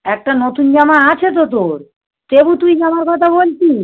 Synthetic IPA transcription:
ɛk̚ʈanot̪und͡ʑamaat͡ɕʰet̪̬ot̪̬oɾ | t̪ebut̪ujd͡ʑamaɾkɔt̪ʰabolt͡ɕi

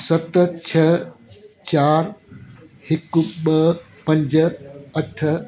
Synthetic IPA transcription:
sɐt̪t͡ɕʰɐ | t͡ɕaːɾ | hɪkuɓɐ | pɐ̃ɲd͡ʑəɐʈʰə

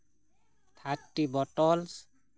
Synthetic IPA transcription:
t̪ʰaʈːibɔʈɔls

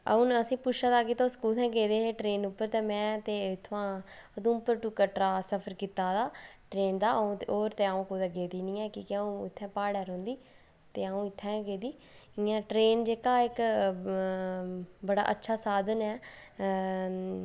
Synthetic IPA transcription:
əũːnəsĩːpʊʃat̪aːkeːt̪õːskuːt̪ʰɛ̃ːɡeːd̪eːɦeːʈɾeːnupːəɾt̪ɛ̃ːmɛ̃ːt̪eːt̪ʰːʋãːəd̪ũːʊpːəɾʈukəːʈɾaːsəpʰəɾkit̪ːaːd̪aːʈɾeːnd̪aːʔəũːt̪ːoːɾt̪ẽːaũːkʊːd̪aːɡeːd̪iːnĩːɛːkiːkɪaːũːɪt̪ʰːɛ̃ːpaːɽɛːɾõːnd̪iː | t̪eːaũːɪt̪ʰːɛ̃ːɡeːd̪iː | ɪãːʈɾeːnd͡ʒeːkaːɪk | bəɽa̰ːʔətːʃʰaːsaːd̪ənɛː

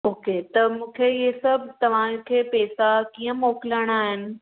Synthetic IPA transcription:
oːket̪ɐmũːkʰeiesɐbʱt̪ɐʋ̤ãkʰeːpɛːsakiːə̃mɔːkɪləɽ̃aːɦɪnɪ̆

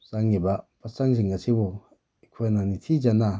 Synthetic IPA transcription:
saŋibapʰasaŋziŋasibɔ | ikʰɔjnanitʰid͡ʒana

